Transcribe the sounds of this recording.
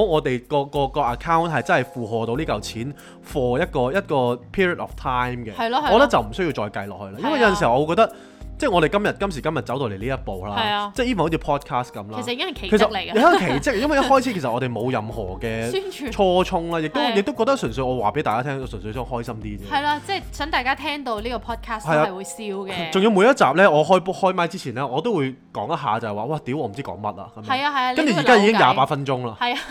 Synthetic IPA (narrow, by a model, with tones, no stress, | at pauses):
ɔ˨˥ŋɔː˨˧t̪e˨jkɔː˧kɔː˧kɔː˧ʔɐ˨kʰaː˥wnt̚hɐ˨jt͡sɐ˥nhɐ˨˩jfuː˨ɦɔː˨t̪o˧wliː˥kɐ˨wt͡sʰiː˨˥n | fɔː˧jɐ˥t̚kɔː˧jɐ˥t̚kɔː˧pʰiː˥ɹi˨˩t̚ɔ̰˨˩ft̪ʰaː˥jmkɛ˧ɐ˨jɔ˧˥t̪ɐ˥k̚t͡sɐ˨wm̩˨˩s̬ɵ˥ɥji˧t͡ʃɔː˧jkɐ˧jlɔ̰ː˨k̚hɵ˧laː˥jɐ˥nwɐ˨jɐ˧˥ɐ˨nsi˨˩˨ɔ˨˧kɔ˧t̪ɐ˥k̚ | t͡sɛ˥˩ŋɔ˨˧ɾe˨jkɐ˥mjɐ˨˩t̚kɐ˥ms̬i˨˩kɐ˥mjɐ˨t̚t͡sɐ˨˥wt̪o˨˧wle˨˩liː˥jɐ˥t̚po˨wlaː˧˨t͡sɛ˥˩jiː˥˨ht͡sʰi˧pʰɔː˥t̚kʰaː˥skɐ˨˥mla˨˩˥sjiː˧˦ɪ˥ŋhɐ˨kʰe˨˩kʰe˨˩ssɐ˨k̚le˨˩˧kʰe˨˩jt͡sɪ˥k̚jɐ˥nwɐ˨jɐhɔː˥jt͡sʰi˨˥ke˨˩sɐ˨ʔɔː˨˧ɾe˨jmo˨˧wjɐ˨mhɔ̰ː˨˩kɛː˧˥˨t͡ʃʰɔː˥t͡ʃʰʊ˥ŋlaː˧jɪ˨k̚t̪o˥jɪ˨k̚t̪o˥wkɔː˧t̪̬ɐ˥ksœ˨˩nsɵ˧jɔː˨˧waː˨˩pe˨˥jt̪aː˨kaː˥t̪ʰɛː˥ŋɔː˨˧sœ˨˩nsɵ˧sɔː˧˥ŋɦɔː˥jsɐ˥mt̪iː˥t͡sɛː˥ɐ˨˩jlaː˧t͡sɛː˥sœː˨˥ŋt̪aː˨jkaː˥t̪ʰɛː˥ŋt̪o˧wliː˥kɔ˧pʰɔː˥t̚kʰaː˥shɐ˨jaː˧˨wuː˨˧jsiː˧˥wkɛ˧t͡sŋji˧wmu˨˧jɐ˥t̚t͡saː˨p̚lɛː˥ɔː˨˧ɦɔː˥jhɔː˥jmaː˧˥jt͡siː˥t͡sʰiː˨˩nlɛː˦˥ɔː˨˧t̪o˥wu˨˧j | kɔ̰ː˨˥ŋjɐ˥t̚ɦa̰ː˨˧t͡sɐ˨˩hɛ˨˩waː˨waː˧˩t̪i˨˥wʔɔː˨˧m˨˩t͡siː˥kɔ̰ː˨˥ŋmɐ˥t̚lɐ̰ː˧kɐ˨˦mɐ˨˥ja˧hɐ˨ja˧kɐ˥nt͡ʃy˨˩i˨kaː˥ii˧kɪ˥ŋja̰ː˨˧paː˧˥t̚fɐ˥nt͡ʃʊ˥ŋlaː˧hɐ˨jɐ˧